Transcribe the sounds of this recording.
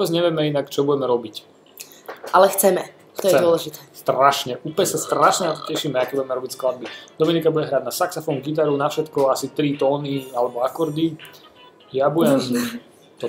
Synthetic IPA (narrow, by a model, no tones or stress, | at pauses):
ʋɔbɛd͡zɲɛʋɪɛmɛinakt͡ʃɔbuɟɛmɛɾɔbic | ʔalɛxt͡sɛmɛ | t̪ɔjɛɛd̪ɔlɛʒit̪ɛːst̪ɾaʃɲɛʔupɛsast̪ɾaʃɲɛnat̪ɔ̥cɛʃimɛakɛbuɟɛmɛɾɔbicsklad̪̚bid̪ɔminikabuɟɛɦɾaːɟnasaksafɔŋɡit̪̬aɾunafʃɛt̪kɔasit̪ɾit̪ɔːnialɛbɔakɔɾd̪i | jabujɛm | t̪ɔ